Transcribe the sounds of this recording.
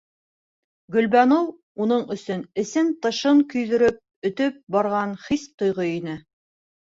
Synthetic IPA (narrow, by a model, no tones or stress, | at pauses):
ɡɵ̆lbænow | unɤɴɵ̆sɵnɘ̆sɘnt̪ɤ̆ʃɤɴkɵ̆jðɵ̆ɾɵp̚ɵ̆t̪ɵp̚bɑɾʁɑnχist̪ŏjʁoinɘ